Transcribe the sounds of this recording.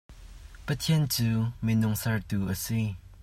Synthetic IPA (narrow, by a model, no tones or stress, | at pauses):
pət̪ʰiənt͡suːminʊŋsɐɹt̪uːʔəsi